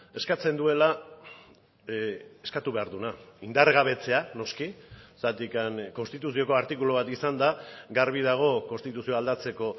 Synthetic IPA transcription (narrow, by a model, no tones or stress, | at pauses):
e̞skat͡se̞nd̪ue̞la | eskat̪uβe̞aɾðunaind̪arɣaβ̞e̞t͡se̞ano̞skisat̪ikanko̞nst̪it̪us̬io̞ko̞aɾt̪ikulo̞β̞at̪isand̪aɡaɾβiðaɣ̞o̞ko̞nst̪it̪usioald̪at͡se̞ko̞